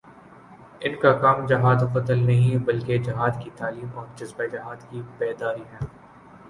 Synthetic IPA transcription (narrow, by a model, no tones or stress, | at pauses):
ɪnkakaːmd͡ʒɐɦaːd̪fɐt̪əlnɐɦĩbɐlked͡ʒɐɦaːd̪kit̪aːliːmɔːɾd͡ʒɐzbed͡ʒɐɦaːd̪kibɛːd̪aːɾiɦɛ̃ː